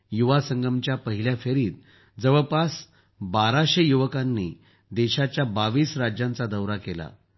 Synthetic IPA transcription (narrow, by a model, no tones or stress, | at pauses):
juʋasəŋɡəmt͡ɕjapəɦiljafeɾiːt̪̚ | d͡zəʋəɭpas | baɾaɕejuʋəkãnːiː | d̪ɛɕat͡ɕjabaʋiːsɾad͡ʑjãnt͡sad̪əwɾakela̰